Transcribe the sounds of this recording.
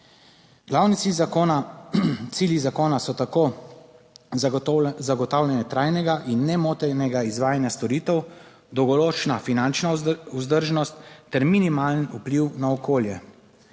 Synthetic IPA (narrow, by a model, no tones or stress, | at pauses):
ɡ̥laːwnisizonat̪siljizakoːnasɔt̪ako | zaɡɔt̪aːwlʲjɛnjɛt̪ɾajnɛɡaʔinːɛmoːt̪ɛnɛɡaizʋaːjanjast̪ɔɾiːt̪ɛw | d̪ɔwɡɔɾoːt͡ʃnafinant͡ʃnauzd̪əɾʒnɔst̪ːɛɾminimaːlənupliwnaɔkʰoːljɛ